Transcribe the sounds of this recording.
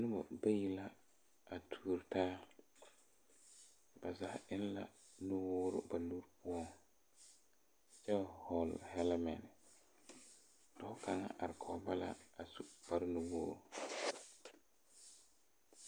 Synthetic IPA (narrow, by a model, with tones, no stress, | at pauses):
nʊ˦bɔ̰˨ba˦ji˦la˦ | a˨tʰuː˦ɾtaː˦ | ba˨za˨hɪ˦n˦la˨ | nʊ˦woː˦ɾʊ̰˦ba˨nu˦ɾpʊ˦ɔ˦˨ŋ˨ | t͡ʃɛ˦ba˨hɔ˨lhɛ˦lmɛ˨n˨ | dɔ˨˦ka˨ŋa̰˦ʔa˨ɾɪ˨kʰɔ˨˦ba˦la̰˨a˨su˦ba˦ɾnu˨woː˦ɾʊ˨